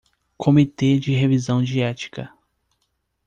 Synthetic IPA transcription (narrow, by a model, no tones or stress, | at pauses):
kʰomit̪ed͡ʒɪɦevizɐ̃w̃d͡ʒiɛt͡ʃi̥kɐ